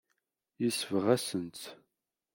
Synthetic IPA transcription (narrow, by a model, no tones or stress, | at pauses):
jisvʁæsənt͡s